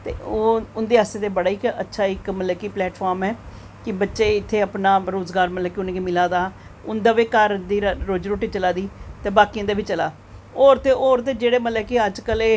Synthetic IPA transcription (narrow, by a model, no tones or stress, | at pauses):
t̪ḛːʊnd̪eːɦaːst̪eːt̪eːbəɽaːɪkətːʃʰaːɪkməlɛːkiːplɛːʈfʰaːɾmɛː | kɪbətːʃeːɪt̪ʰːeːəpnaːɾoːzɡaːɾməlɛːkiʊnẽːkimɪlaːd̪aː | ʊnd̪aːʋeːkəɾd̪iːɾoːd͡ʒɾoːʈiːt͡ʃəlaːd̪iːt̪eːbaːkiːãːd̪eːʋɪt͡ʃəlaː | oːɾt̪eːʔoːɾt̪̬eːd͡ʒeːɽeːməlɛːkeːəd͡ʒkəleː